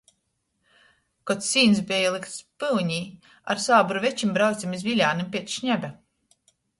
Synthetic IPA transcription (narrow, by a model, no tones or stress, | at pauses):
kɔt̪siːnsbɛjalˠikt̪spɨlɲiː | a̰ɾsaːbuɾuvɛt͡ʃimbɾawt̪sʲimizvilʲaːnimpʲiɛt̪ʃɲæbʲa